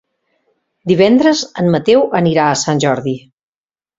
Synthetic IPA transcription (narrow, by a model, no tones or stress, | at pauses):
d̪iβ̞ɛnd̪ɾəzəmmət̪ewəniɾaəsanʲʒɔɾði